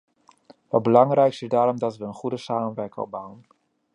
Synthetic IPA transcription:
ʋɑt̚bəlɑŋrɛjksɪsdaːɾɔmdɑtʋəənχudəsaːmənʋɛɹkəɔ̰bawən

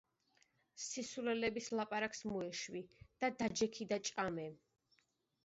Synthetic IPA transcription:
sisulɛlɛbislˠapʼaɾaksmɔɛʃwid̪̥ad̪ad͡ʒɛkʰid̪at͡ʃʼamɛ

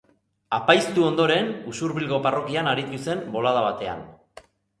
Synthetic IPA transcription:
apajst̪uo̞nd̪o̞ɾe̞nusuɾβilɣo̞paro̞kianaɾit̪use̞mbo̞lað̞aβat̪e̞a̰n

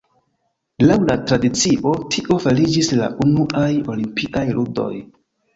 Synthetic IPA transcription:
lawlatɾadit͡siʔo̞tʰiʔo̞falid͡ʒisla̰ʔunuʔajo̞limpikajlʔudo̞̰j

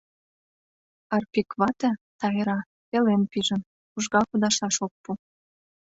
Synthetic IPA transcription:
ɑrpikβɑt̪ət̪ɑjəɾɑ | pelenpiʒə̆n | uʒɣɑkud̪ɑʃɑʃok̚pu

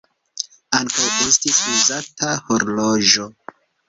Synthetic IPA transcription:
aŋkawe̞stisuzatʰaho̞ɾloʒo̞

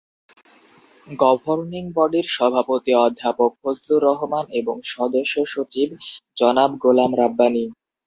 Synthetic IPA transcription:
ɡɔbʱoɾniŋbɔɖiɾʃɔbʱapot̪iɔd̪ʱːapok̚ɦosd̪uɾɔɦomaneboŋʃɔd̪oʃːoʃot͡ɕibd͡ʑɔnabɡolamɾabːani

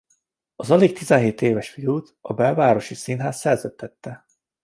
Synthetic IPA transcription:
ɒzɒleːk̚t̪izɛnɦeːt̪eːvɛʃfijuːt̪ɒbɛlvaːɾo̞ʃisinɦaːssɛrzøt̪ʰːɛt̪ːɛ

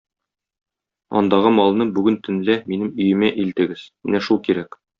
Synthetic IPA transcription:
ɒ̰nd̪ɑʁɤmɒlˠnɤbʉɡɘnt̪ʰɵ̆nlæminɘmɵ̆jɘ̆mæʔilt̪ɘ̆ɡɘz̥mɘnæʃulˠkiɾæk

